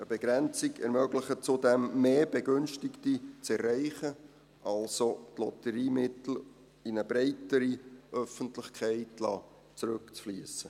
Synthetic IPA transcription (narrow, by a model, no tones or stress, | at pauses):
əb̥ɛɡɾɛnt͡sɪkɛɾmœɡlɪχət͡sʊdɛmːeːbɛɡʏnʃtɪktit͡sɛrːɛɪχə | ʔɑlsotlɔ̰t̪əɾiːmɪt̪l̩ | ɪnəbɾɛɪtəɾiʔœfəntlɪχkʰæɪtlɑː | t͡sɾʉkt͡sfliəsə